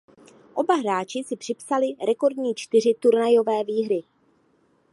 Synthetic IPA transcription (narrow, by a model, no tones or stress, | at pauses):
ʔo̞baɦɾaːt͡ʃɪsɪpr̥ɪpsalɪɾɛko̞ɾdɲiːt͡ʃt̪ɪrɪt̪uɾnajo̞vɛːviːɦɾɪ